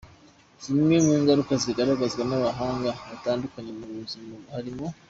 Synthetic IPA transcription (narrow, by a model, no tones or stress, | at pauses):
zimɲemiːŋɡaɾukaziɡaɾaɡazɡanaβaɦaːŋɡaβataːndukaɲemuɾuuzimahaɾimo